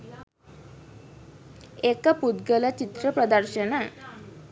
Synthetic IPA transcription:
ekəpud̪ɡəlat͡ʃit̪ɾəpɾɔd̪əɾʃəna

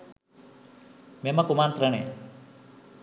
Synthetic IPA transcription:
memakumaːnt̪ɾəɽ̃e

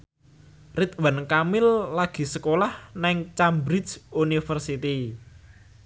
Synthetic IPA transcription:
rit̪̚wankamɪlːaɡ̥i̤səkolahnaɪŋt͡ʃambɾisunifərsit̪i

